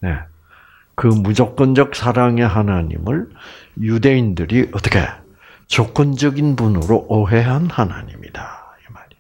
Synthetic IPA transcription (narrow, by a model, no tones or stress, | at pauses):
ne̞ | kɯmud͡ʑʌk͈ʌnd͡ʑʌk̚sʰaɾaŋe̞ɦanaɲḭmɯɭjude̞indɯɾiʔʌt͈ʌ̥kʰe̞̰ | t͡ɕok͈ʌnd͡ʑʌɡinpunɯɾoʔoɦe̞ɦanhana̰ɲḭmḭdaimaɾi